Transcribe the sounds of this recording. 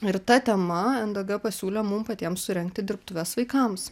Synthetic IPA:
ɪɾt̪ɐt̪ʲɛmɐɐnd̪ɐɡɐpɐsʲuːlʲɛmumpɐt̪ʲiɛmssʊɾʲɛŋʲk̚t̪ʲɪd̪ʲɪɾp̚t̪ʊʋʲɛsʋɐɪkɐms

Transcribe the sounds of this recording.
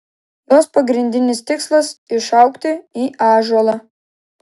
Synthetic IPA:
j̪oːspɐɡɾʲɪnʲd̪ʲɪnʲɪst̪ʲɪkslˠɐsɪʃɐʊkt̪ʲɪiːɑːʒuɔlˠɑ

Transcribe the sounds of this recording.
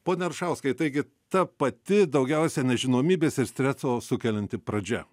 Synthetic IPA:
poːnʲɛɾʃɐʊskɐɪt̪ɐɪɡʲɪ | t̪ɐpɐt̪ʲɪd̪ɐʊɡʲɛʊsʲɛnʲɛʒʲɪnoːmʲiːbʲeːsʲɪɾsʲt̪ʲɾʲɛsoːsʊkʲɛlʲɛnt̪ʲɪpɾɐd͡ʒʲɛ̰

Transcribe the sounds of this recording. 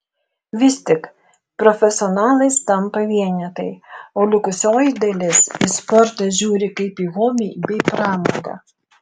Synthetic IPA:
ʋʲɪst̪ʲɪk | pɾɔfʲɛsʲɪɔnɑːlˠɐɪst̪ɐmpɐʋʲiɛnʲɛt̪ɐɪoːlʲʊkʊsʲoːjɪd̪ɐlʲɪsiːspɔɾt̪ɐʒʲuːɾʲɪkɐɪpiːɣoːbʲiːbʲɛɪpɾɑːmoːɡɑ̰ː

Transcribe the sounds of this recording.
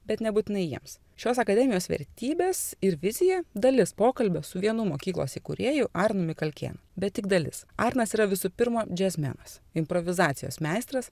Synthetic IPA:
bʲɛt̪nʲɛbuːt̪ʲɪnɐɪjiɛms | ʃʲoːsɐkɐd̪ʲɛmʲɪjoːsʋʲɛ̰ɾʲt̪ʲiːbʲeːsɪɾʋʲɪzʲɪjɛd̪ɐlʲɪspoːkɐlʲbʲɛsʊʋʲiɛnʊmoːkʲiːklˠo̰ːsʲɪkʊɾʲeːjʊʔɑːɾnʊmʲɪkɐlʲkʲḛːnɐbʲɛt̪t̪ʲɪk̚d̪ɐlʲɪ̰sɑːɾnɐsiːɾɐʋʲɪsʊpʲɪɾmoːd͡ʒʲɛzʲmʲɛ̰nɐsɪmpɾoʋʲɪzɑːt̪sʲɪjo̰ːsmʲæɪst̪ɾɐs

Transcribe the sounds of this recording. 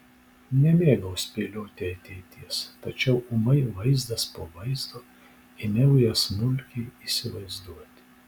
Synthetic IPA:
nʲɛmʲeːɡɐwsʲpʲelʲoːt̪ʲɛɐt̪ʲɛːt̪ʲiɛst̪ɐt͡ʃʲɛʊʊmɐɪʋɐɪzd̪ɐspoʋɐɪzd̪o | ɪnʲɛʊjɛsnʊlʲkʲiisʲɪʋɐɪzd̪uɔt̪ʲ

